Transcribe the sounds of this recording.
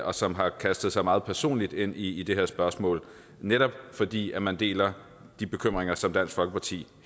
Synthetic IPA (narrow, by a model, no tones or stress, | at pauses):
ɒ̽sɒ̽mɦɑ̈kʰæsd̥ð̩ˠsɑ̈ɪmɑ̈ːð̩ˠpʰæɐso̝̰ːnlid̥e̝n̰iːd̥e̝ɦeɐsb̥ɶɐsmɔ̰̽ːl | neɾɒ̽b̥fɒ̽d̥ḭːæmænd̥e̝̰ːlɐ | d̥ib̥e̝kʰøm̰ʁeŋɐsɒ̽md̥æn̰sɡ̥fɒ̽lɡ̥ə̥pʰɑ̈t͡sʰḭː